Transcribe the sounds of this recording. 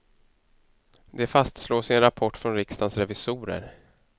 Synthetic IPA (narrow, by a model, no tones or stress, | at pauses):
d̪ɛfast̪sloːsɪɛnɾapʰɔʈːfɾɔnɾɪkst̪ansɾɛvɪsuːɾə̰ɾ